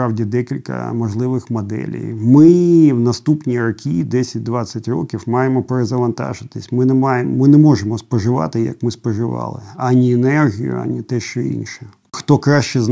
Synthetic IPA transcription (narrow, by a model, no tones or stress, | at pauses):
ɾɑwdʲid̪ɛkʲilʲkɐ̰mɔʒlˠɪʋɪxmɔd̪ɛ̰lʲḭjmɪwnɐst̪upnʲirɔkʲʰid̪ɛsʲɐt̚ʲd̪ʋat͡sʲːɐtʲrɔ̰kʲiwmɑjemɔpeɾezɐʋɐnt̪ɑ̰ʒɪt̪ɪsʲmɪnɛmɑjemmɪnɛmɔʒemɔspɔʒɪʋɑ̰t̪ɪjɐ̰kmɪspɔʒɪʋɑ̰lˠɪ̰anʲiɛnɛrɦʲijʊ̰a̰nʲit̪ɛʃt͡ʃɔḭnʃɛ | xt̪ɔkɾaʃt͡ʃɛz